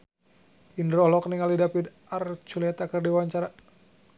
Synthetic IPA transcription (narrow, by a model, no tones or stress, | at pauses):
indɾɔhlɔkniŋalidapid̪ | art͡ʃulɛt̪akɨrdiwaɲt͡ʃaɾa